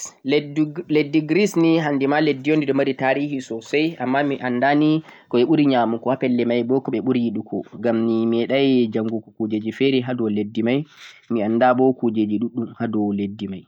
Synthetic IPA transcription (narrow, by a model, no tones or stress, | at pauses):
ledːiɡɾisniɦandimaledːijondiɗɔmaɾitaːɾihisɔsajʔamːamiʔandanikɔɛɓuɾiɲaːmukɔhapɛlːɛmajbɔkɔɓɛɓuɾiɗukʰɔ̰ɡamnimɛɗajd͡ʒaŋɡukɔkud͡ʒed͡ʒifɛɾiɦadɔledːimaj | mianːdabɔkud͡ʒed͡ʒiɗuɗːumhadɔledːimaj